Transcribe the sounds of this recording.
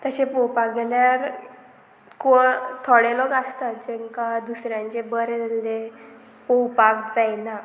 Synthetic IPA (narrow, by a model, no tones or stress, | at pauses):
t̪əɕepɔwpakɡeɳjaɾ | kɔt̪ʰɔɽelɔkast̪at̪̚d͡ʑɛŋkad̪usɾjãɲt͡ɕebəɾend̪e | pɔwpakd͡zajna